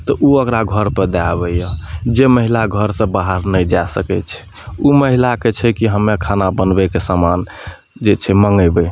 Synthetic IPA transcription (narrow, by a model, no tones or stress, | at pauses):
t̪ɔʔuəkɾaɡʱəɾpəd̪abɛjəd͡ʒeməɦilaɡʱəɾsə̃baɦəɾnəd͡ʒasəkɛt͡ʃʰɛ̥ | uməɦilaket͡ʃʰɛkiɦəmːekʰanabənbɛkesaman | d͡ʒet͡ʃʰɛməŋɡəbɛ